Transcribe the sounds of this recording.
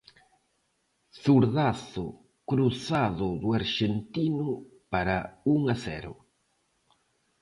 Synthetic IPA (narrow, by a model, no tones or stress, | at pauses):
θuɾðaθʊ | kɾuθaðʊðʊaɾʃent̪inʊ | paɾauŋasɛ̰ɾʊ̰